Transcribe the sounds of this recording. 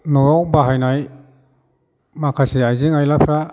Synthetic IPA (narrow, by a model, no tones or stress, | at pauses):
nɔɾɔwbaɦajnaj | makʰasiajziŋajlapʰɾa